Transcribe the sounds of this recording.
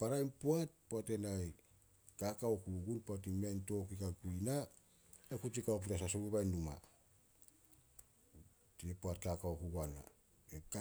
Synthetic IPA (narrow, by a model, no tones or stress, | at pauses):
paɾajnpuat̚puate̞naj | kakawkuɡunpuatimianto̞kikakuina | ekut͡ʃikaop̬utas̬asobeβajnːuma̰ | tiepuat̚kakawkuɡana̰ | ek